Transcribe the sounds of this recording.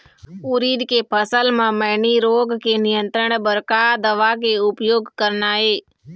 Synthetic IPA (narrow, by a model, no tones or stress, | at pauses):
ʊɾiːɗ̪kepʰəsəlmãːməɦniɾoːɡkenɪjə̃nt̪ɾəɽ̃bəɾkaːd̪əʋaːkeʊpjoːɡkəɾnaːɦeː